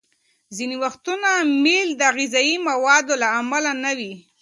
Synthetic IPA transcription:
ziniwaxt̪unameld̪əɣizɑjimawɑd̪olaːmalanawi

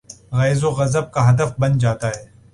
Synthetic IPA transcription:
ɣɛːzoɣɐzəb̚kaɦɐd̪əfbɐnd͡ʒaːt̪aɦɛː

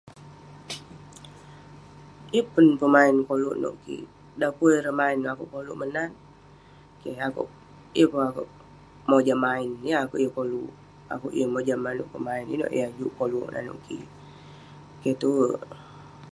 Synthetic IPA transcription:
jəpunpəmaɪnkoluʔno̰ʔkḭ | dapuɾəmaɪnakuʔkoluʔmənan | keakṵʔ | jəpuakoʔ | mod͡ʒamaɪnjəakuʔjəkoluʔ | a̰kuʔjəmod͡ʒamano̰ʔpəmaɪnḭno̰ʔj̰ad͡ʒuʔkolṵʔnʔa̰no̰ʔkḭ | ket̪uə

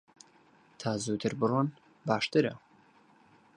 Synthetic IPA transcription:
t̪ʰaːzuːt̪ʰɨɾbɨrwɔn | baːʃt̪ɨɾɐ̰

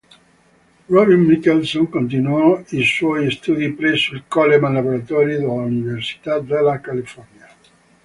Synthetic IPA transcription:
rɔbinmikelsoŋkõnt̪̬inuɔiswɔjst̪ud̪ipɾɛsːuilkɔlemãnlaboɾat̪ɔɾjid̪elauniversi̥t̪ad̪elakalifɔrnja

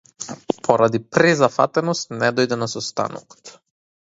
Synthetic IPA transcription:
pʰɔɾad̪ipɾɛzafa̰t̪ɛnɔst̪nɛd̪ɔjd̪ɛnasɔst̪a̰nɔ̰kɔ̥t̪

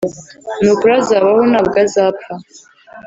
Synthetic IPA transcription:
nukʷʰʼɾazaβahunabɡazapʰa

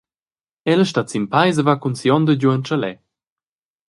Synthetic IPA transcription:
ɛləʃtat͡simpajzəvakunsjɔnd̪əd͡ʑuənt͡ʃəlɛ

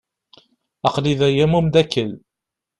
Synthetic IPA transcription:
ɑqliðæjæmumd̪ækːəl

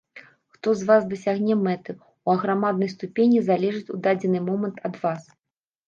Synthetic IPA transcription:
xt̪ɔzvasd̪ɐsʲaɣnʲɛmɛt̪ɨ | uɐɣɾamad̪̚nɐjst̪upʲenʲizalʲɛʐɨt͡sʲud̪ad͡zʲɛnɨmɔmɐnt̪ʰɐd̪vas

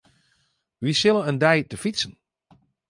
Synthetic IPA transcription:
ʋisɪlˠənəndɛjtəfitsən

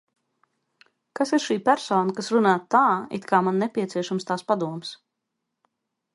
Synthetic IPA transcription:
kasiɾʃiːpæɾsɔːnakasɾunaːt̪ːaːḭt̪kʰaːmanːɛpʲiɛsiɛʃamst̪aːspad̪uɔms

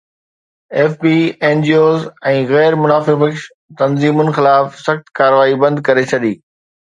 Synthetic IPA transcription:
eːfbiːẽːnd͡ʑioːzɛ̃ːɣɛːɾmʊnaːfɪɾbəkʃ | t̪ɐnziːmʊnxɪlaːfsɐxt̪kaːɾʋaːibɐ̃nd̪̚kɐɾet͡ɕʰɐɗ̪iː

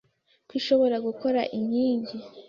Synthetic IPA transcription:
kwiːʃo̞βo̞ɾaɡuko̞ɾa̰ʔiɲiːɲɟi

